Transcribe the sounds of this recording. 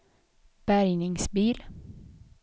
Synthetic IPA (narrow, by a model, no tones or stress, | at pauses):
b̥æɾjnɪŋsbiːl